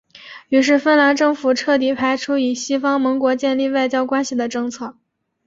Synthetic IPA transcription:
y˧˥ʂ̬ɻ̩˥˩fə˥nla˧˥nʈ͡ʂɤ˥˩ŋfu˨˩ʈ͡ʂʰɤ˥˩t̪̬i˧˥pʰa˧˥ɪʈ͡ʂʰu˥i˨˩ɕi˥fɑ˥ŋmɤ˧˥ŋkwɔ˧˥t͡ɕjɛ˥˧nli˥˧wa˥˩ɪt͡ɕjɑ˥ʊkwa˥nɕi˨˩d̪ə˩ʈ͡ʂɤ˥˧ŋt͡sʰɤ˥˩

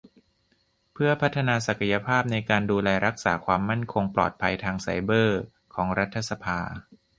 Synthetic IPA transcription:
pʰɯ˥˩ɐpʰa˦˥t̪ʰːa˧naː˧sa˨˩kʰa˧ja˧pʰaː˥˩p̚na˧jkaː˧nduː˧lɛː˧ɾa˦˥k̚sa̰ː˩˦kʰwaː˧mːa˥˩nkʰo˧ŋplɔ̰ː˨˩t̪̚pʰa˧jt̪ʰaː˧ŋsa̰˨˩˦jbɤː˥˩ | kʰɔː˩˦ŋɾa˦˥t̪ʰːa˧sa˧pʰaː˧

